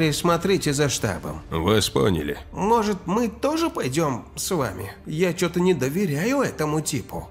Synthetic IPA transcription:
ɾʲɪsmɐt̪ɾʲitʲɪzɐʂt̪a̰bə̰mvɨspo̰nʲɪ̰lʲɪ̰mo̞ʐɨt̪mɨt̪oʐɨpɐjdʲo̞msva̰mʲɪ̰jat͡ɕot̪ənʲɪd̪əvʲɪɾʲæjʊɛt̪əmʊtʲipʰʊ̰

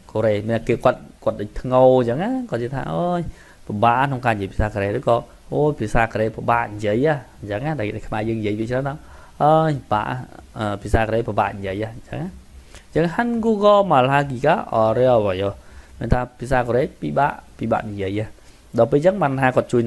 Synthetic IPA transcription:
koɾeːmiənakeːkŏət̪̚kŏət̪̚ɗəːc̚t̪ʰŋoɲt͡ɕəŋaːkoət̪̚t͡ɕət̪ʰa̰ːʔoːj | paɓaːʔkʰnoŋkaːɲjiəpi̥əsaːkoɾeːɾɨːkɑː | ʔoːjpʰiəsaːkoɾeːpaɓaːʔɲjiəjʔah | ɲt͡ɕəŋahɗaɛɗakʰmaɛjəːŋnijiəjʋʰiət͡ɕʰraːnʰaː | ʔəːjɓa̰ːʔa̰hʔəːpʰiəsaːkoɾeːpaɓaːʔɲjiəjʔahɲt͡ɕə̰ŋaɲt͡ɕəŋɦənkuəkɔːmalɦak̬ikaːʔɑɾɛʋajomiənt̪ʰaːpʰiəsaːkoːɾeːpiɓaːʔpiɓa̰ːʔnijiəjʔah | ɗɑːpeːlt͡ɕəŋɓaːnʰaːkoət̪̚t͡ɕuəj

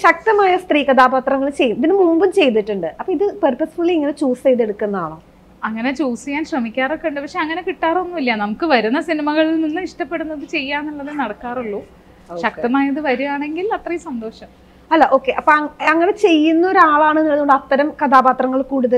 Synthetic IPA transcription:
ɕɐk̚t̪ɐmaːjɐst̪riːkɐd̪aːbaːt̪rɐŋːɐɭt͡ɕejːuiðinɨmuːmbumt͡ɕe̞jt̪ːiʈːuɳɖɨɐpːoːiðɨpɐrpɐsfuɭːiiŋːɐnet͡ɕuːsejt̪ːeɽukːunːɐaːɭa̰ː | ɐŋːɐne̞t͡ɕuːsikʲaːnɕrɐmikʲːaːrokːeuɳɖɨpɐkʂeɐŋːɐne̞kiʈːaːro̞nːuʋɐlijɐnɐmukːɨʋɐɾunːɐsinimɐɣɐɭilninːɨiʂʈɐpːe̞ɽunːɐðɨt͡ɕe̞jːaːnilːɐðɨnɐɽɐkːaːruɭːuː | ɕɐkt̪ɐmaːjɐðɨʋɐɾujaːɳe̞ŋɡilɐt̪rɐjumsɐnd̪o̞ːʂɐm | ɐlːɐʔo̞ːkːe̞ʔɐpːoɐɐŋːɐne̞t͡ɕe̞jːunːɐo̞ɾaːɭaːɳenːilɐðuoɳɖɐt̪ːɐɾɐmkɐd̪aːbaːt̪rɐŋːɐɭkuːɽuðɐ

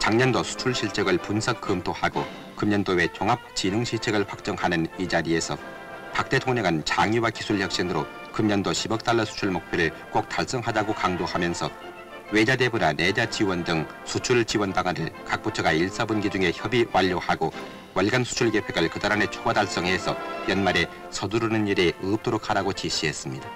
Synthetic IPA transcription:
t͡ɕaŋɲʌndosʰu̥t͡ɕʰuɭɕʰiɭt͡ɕ͈eɡɯɭpunsʰʌkk͈ːɯmtʰohaɡo | kɯmɲʌndowe̞t͡ɕoŋɦap̚t͡ɕinuŋɕʰit͡ɕʰeɡɯɭɸwak̚t͡ɕ͈ʌŋhanɯnid͡ʑaɾie̞sʰʌ | pak̚t͈e̞tʰoŋɲʌŋɯnt͡ɕaŋiwakisʰuɭçjʌk̚ɕ͈inɯɾo | kɯmɲʌndoɕʰibʌk̚t͈aɭːʌsʰu̥t͡ɕʰuɭmok̚pʰjoɾɯɭ | kok̚t͈aɭs͈ʌŋɦadaɡokaŋdohamjʌnsʰʌ | we̞d͡ʑade̞bunane̞d͡ʑat͡ɕiwʌndɯŋ | sʰut͡ɕʰuɭt͡ɕiwʌnpaŋanɯ̰ɭkak̚p͈ot͡ɕʰʌɡaiɭs͈abunɡid͡ʑuŋe̞çjʌbiwaʎːohaɡo | waɭɡansʰu̥t͡ɕʰuɭke̞pʰeɡɯɭkɯdaɾane̞t͡ɕʰoɡadaɭs͈ʌŋɦe̞sʰʌjʌnmaɾe | sʰʌduɾunɯniɾeɯɯp̚t͈oɾokʰhadaɡot͡ɕiɕʰiɦe̞s͈ɯmɲida

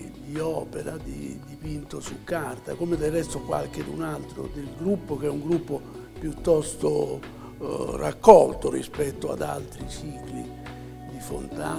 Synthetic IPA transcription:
d̪iɔːpɛɾad̪ḭd̪ipint̪osukːart̪akomed̪ɛrːɛsst̪ːokwa̰lk̟ed̪unalt̪ɾo̰d̪elɡɾupːokɛuŋɡɾupːo | pjut̪ːɔst̪o | rakːɔlt̪orḭspɛt̪ːoa̰d̪a̰lt̪ɾit͡ʃiːklḭ | d̪ifo̰nt̪a

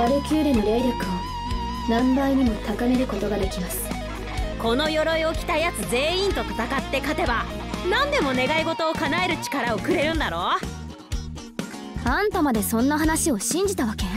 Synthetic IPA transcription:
aɾɯkʲɨːɾɯɲiɾeɾʲɯkɯo | nãmbaiɲ̟imot̪akaneɾɯ̟ko̞t̪o̞ɡad̪e̞kʲimasɨ̥ | ko̞no̞jo̞ɾo̞io̞kʲi̥t̪ajat͡sɨze̞ːĩnt̪o̞t̪ḁt̪akat̪ːe̞kat̪e̞banãnd̪e̞mo̞ne̞ɡaiɡo̞t̪o̞ːkanaeɾɯ̟t͡ɕi̥kaɾaoːkɯ̟ɾe̞ɾɯ̟̃nd̪aɾo̞ | ãnt̪amad̪e̞sõ̞nːaɦanaɕio̞ɕĩɲ̟d͡ʑit̪aβake̞

